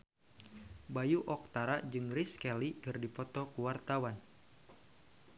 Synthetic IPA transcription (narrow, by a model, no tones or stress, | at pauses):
bajuʔɔk̚t̪aɾad͡ʒɨŋriskɛlikɨrdipɔt̪ɔkuwart̪awan